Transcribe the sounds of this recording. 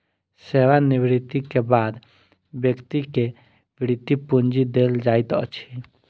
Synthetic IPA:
seʋaniβɾit̪ːikebaːd̪ | bjəkt̪ike | biɾit̪ːipund͡ʒid̪eld͡ʒait̪ə̰t͡ʃʰi

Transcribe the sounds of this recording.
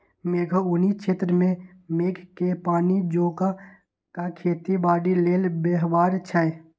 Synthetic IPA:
meːɡʱoʊnit͡ʃʰeːt̪ɾəmẽ | meːkʰkepaːnid͡ʒoːka | kakʰeːt̪ibaːɖileːlbeːɦbaːɾt͡ʃʰae

